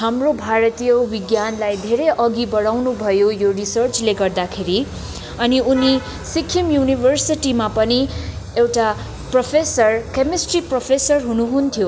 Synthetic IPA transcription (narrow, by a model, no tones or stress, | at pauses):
ɦamrobʱaɾʌt̪ijʌwiɡjanlajd̪ʱeɾejʔʌɡibʌɽawnubʱʌjojorisʌrt͡sleɡʌrd̪akʰeɾi | ʌniuni | sikʰːimjunibʱʌrsiʈimapʌniewʈa | prʌpʰesʌrkemisʈriprʌpʰesʌrɦunuɦunt̪ʰjo